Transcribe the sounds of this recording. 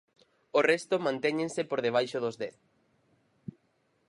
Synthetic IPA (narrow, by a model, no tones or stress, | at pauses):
orɛst̪ʊmãnt̪ɛɲẽnsepoɾðeβ̞ajʃoðozðɛθ